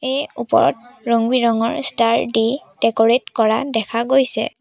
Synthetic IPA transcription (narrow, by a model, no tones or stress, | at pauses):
ejupɔ̰ɹɔ̰tɹoŋbiɹɔŋɔɹstaɹdid̥ɛkɔɹetkɔɹadɛkʰaɡojsɛ̰